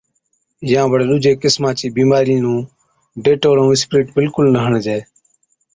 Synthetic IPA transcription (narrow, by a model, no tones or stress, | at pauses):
jãːbəɽɗʊd͡ʒeːkɪsmãːt͡ʃiːbiːmaːɾinũː | ɖeːʈoːɾũːɪspɾɪːʈbɪlkʊlnəɦəɳd͡ʒeː